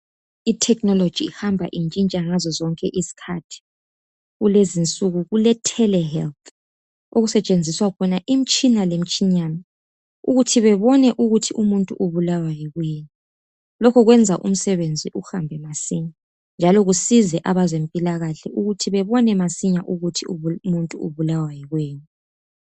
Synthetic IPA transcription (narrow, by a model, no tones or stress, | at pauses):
itʰɛknɔlo̥d͡ʒ̥ʱiːhambʱa̰ʔint͡ʃʼint͡ʃʼaŋazɔzɔŋkʼɛʔisi̥kʰatʰi̥ | ɣulezint͡sʼuɣuɣulɛtʰɛlɛɦɛlt̪ʰ | oɣusɛt͡ʃʼend͡zʱiswakʰɔnaʔim̩t͡ʃʼinalem̩t͡ʃʼiɲanɛ | uɣutʰiβɛβɔnɛʔuɣutʰiumuntʼṵʔuβulawajiɣweːɲu | lɔkʰɔɣwɛnd͡zʱaʔṵm̩sɛβend͡zʱiʔuxambʱɛmasiɲa | nd͡ʒʱalɔɣusizɛʔaβazempʼilaɣaɬɛʔuɣutʰiβɛβɔnɛmasiɲaʔuɣutʰiumuntʼuṵβulawajiɣweːɲu